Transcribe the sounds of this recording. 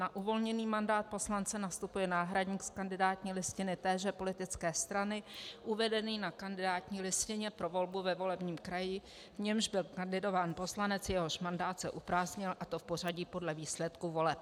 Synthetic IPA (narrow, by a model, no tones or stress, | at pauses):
naʔuvo̞lɲɛniːmandaːt̪̚po̞slant͡sɛnast̪upujɛnaːɦɾadɲiːkskandɪdaːt̪ɲiːlɪscɪnɪt̪ɛːʒɛpo̞lɪt̪ɪt͡skɛːst̪ɾanɪʔuvɛdɛniːnakandɪdaːt̪ɲiːlɪscɪɲɛpɾo̞vo̞lbuvɛvo̞lɛbɲiːmkɾajɪ | vɲɛmʒbɪlkandɪdo̞vaːnpo̞slanɛt͡sjɛɦo̞ʃmandaːt̪sɛʔupɾaːzɲɪlʔat̪o̞fpo̞r̝aɟiːpo̞dlɛviːslɛt̪kuvo̞lɛp̚